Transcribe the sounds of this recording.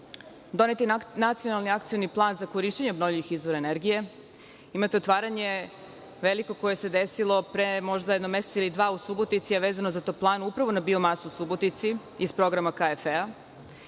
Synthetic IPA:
d̪o̞net̪inat̪sijo̞nalˠniak̚t̪sijo̞niplˠaːnzako̞ɾiʃt͡ɕeɲebnovʎʲiʋixizʋo̞ɾaeneɾɡije̞ | imat̪eo̞t̪ʋaːɾaɲe̞ | ʋe̞liko̞ko̞je̞se̞d̪esilˠo̞pɾemo̞ʒd̪ajed̪nomeset̪ilid̪ʋaːusubo̞t̪it̪siaʋeːzano̞zat̪oːplˠaːnuupɾaʋo̞nabio̞masuusubo̞t̪it̪si | ispɾo̞ɡɾamakaefea

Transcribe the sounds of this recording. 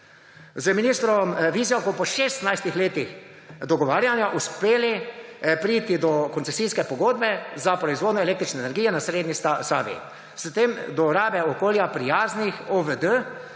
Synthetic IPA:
zəminist̪ɾɔmʋizjɔkɔpɔʃest̪najst̪ixleːt̪ix | d̪ɔɡɔʋaːɾjanjaʔuspeːlipɾit̪id̪ɔkɔnt̪sɛsiːskɛpɔɡoːd̪̚bɛzapɾɔizʋoːd̪nɔɛleːkt̪ɾit͡ʃnɛeːnɛɾɡijɛnasɾeːd̪nissaːbḭ | st̪emd̪ɔɾaːbɛɔkoːljapɾijaːznixoʋəd̪ə

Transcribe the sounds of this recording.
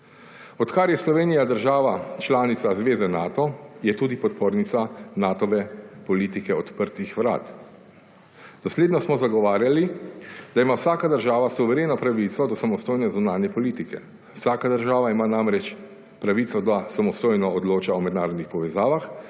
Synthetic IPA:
ɔt̪kaɾjɛslɔʋeːnijad̪əɾʒaːʋat͡ʃlaːnit̪sazʋeːzɛnaːt̪ɔjɛt̪uːd̪ipɔt̪̚poːɾnit̪sanaːt̪ɔʋɛpɔliːt̪ikɛɔt̪pəɾt̪ixʋɾa̰ːt̪ | d̪ɔsleːd̪nɔsmɔzaɡɔʋaːɾjalid̪̥aimawsaːkad̪əɾʒaːʋasuʋɛɾeːnɔpɾaʋit̪sɔd̪ɔsamɔst̪oːjnɛzunaːnjɛpɔliːt̪ikɛ̰ | wsaːkad̪əɾʒaːʋaimaːnamɾɛt͡ʃ | pɾaʋit̪sɔd̪asamɔst̪oːjnɔɔd̪loːt͡ʃaɔmɛd̪naːɾɔd̪nixpɔʋɛzaːʋax

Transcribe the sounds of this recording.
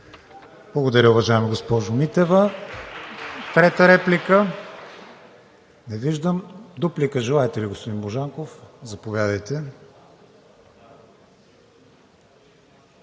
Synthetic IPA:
b̥lˠɐɡod̪ɐɾʲəʊvɐʒaɛməɡospɔʒʊmit̪ɛvə | t̪ɾɛt̪əɾɛplikə | nɛviʒd̪əmd̪uplikəʒɛlˠaɛt̪ɛliɡospod̪inboʒaŋkofzɐpovʲjad̪əjt̪ɛ

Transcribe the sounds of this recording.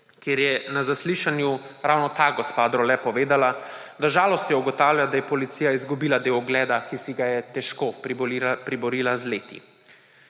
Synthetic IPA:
keːɾjɛnazasliʃanjuɾawnɔt̪aːɡɔspaːd̪ɾɔlɛpɔʋeːd̪alad̪aʒaːlɔst̪jɛuɡɔt̪awljad̪ajɛpɔlit̪siːjaizɡubiːlad̪eːwɔɡlɛːd̪akisiɡajɛt̪ɛʃko | pɾibɔɾiːlazleːt̪ḭ

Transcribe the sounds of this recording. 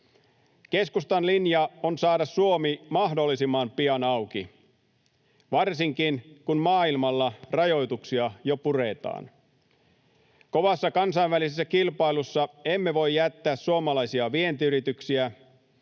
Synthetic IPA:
ke̞skust̪ɑnlinjɑonsɑːdɑssuomimɑɦdo̞lːisimːɑmpiɑnɑwkḭ | ʋɑrsiŋkinkunmɑːilmɑlːɑrɑjo̞jt̪uksiɑjopure̞t̪ɑ̰ːn | ko̞ʋɑsːɑkɑnsɑjʋʋælises̬ːækilpɑilusːɑe̞mːe̞ʋo̞jjːæt̪ːæːssuomɑlɑjsiɑʋie̞nt̪iyɾit̪yksiæ

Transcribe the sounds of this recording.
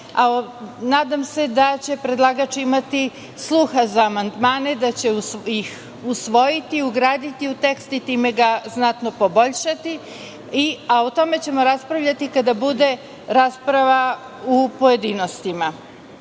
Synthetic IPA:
anaːd̪amse̞d̪at͡ɕe̞pɾed̪lˠaɡat͡ʃimat̪i | slˠuxazaːmand̪maːne̞d̪at͡ɕe̞ujix | usʋo̞jit̪iuɡɾaːd̪it̪iut̪e̞kst̪it̪iːme̞ɡaznat̪no̞po̞bo̞ʎʃat̪i | iaot̪o̞me̞t͡ɕe̞mo̞ɾaspɾaʋʎʲat̪ikad̪abud̪e̞ | ɾaspɾaʋa | upo̞je̞d̪iːno̞st̪ima

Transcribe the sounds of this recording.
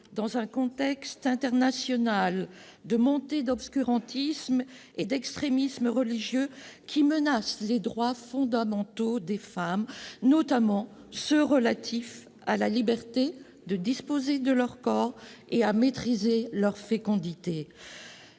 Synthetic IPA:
d̪ɑ̃zɛ̃kɔ̃t̪ɛkst̪ɛ̃t̪ɛʁnasjɔnal | d̪əmɔ̃t̪ed̪ɔpskʲyʁɑ̃t̪ism | ed̪ɛkst̪χemisməʁəliʒjøkʲʰimənasled̪ʁwafɔ̃d̪amɑ̃t̪od̪efamnɔt̪amɑ̃ | səʁəlat̪ʰif | a̰lalibɛʁt̪e | d̪əd̪ispozed̪əlœʁkɔːʁeamet̪χizelœʁfekɔ̃d̪it̪e

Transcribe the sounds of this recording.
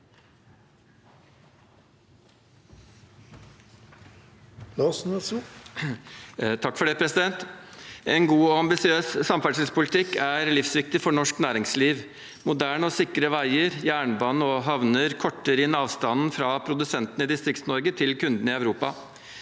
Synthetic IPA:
lɑːsnɛs | t̪ʰɑkːfɔɖɛɪpʰɾɛsɪd̪ɛnt̪ɛnɡuːɔɑmbɪsɪøːssɑmfæɖʂəlspʊlɪt̪ʰɪkːæɾlɪfsʋɪk̚t̪ɪfɔɳɔʂknæːɾɪŋsliːʋ | mʊd̪æːɳəɔsɪkɾəʋæɪəɾjæːɳbɑːnəɔɦɑʋnəɾkʰɔʈːəɾɪnɑːʋst̪ɑnn̩fɾɑːpʰɾʊd̪ʉsɛnt̪nɪd̪ɪst̪ɾɪkt̪snɔɾɡət̪ʰɪlkʉnd̪n̩ɪœʋɾuːpɑ̰

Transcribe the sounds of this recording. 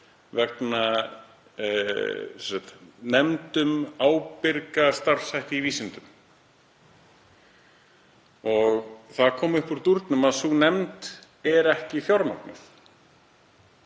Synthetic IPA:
vɛkna | ɛsat̪nɛmt̪ʏmaːwpɪɾkast̪aɾ̥sajht̪ɪiviːsɪnt̪ʏm | ɔɣθaðkʰɔːmʏhpɔɾt̪uɾt̪nʏmaðsunɛmt̪ | ɛɾɛhcɪθjɔɾma̰wk̪nɪ̰θ

